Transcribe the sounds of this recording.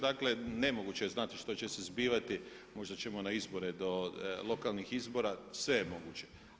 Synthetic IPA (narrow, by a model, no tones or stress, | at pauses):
d̪akle̞ne̞mo̞ɡut͡ɕeeznat̪iʃt̪o̞t͡ɕe̞sezbiːʋat̪i | mo̞ʒd̪at͡ɕe̞monaizbo̞ɾed̪o̞lˠo̞kalˠnixizbo̞ɾasʋe̞jemo̞ɡut͡ɕe̞̥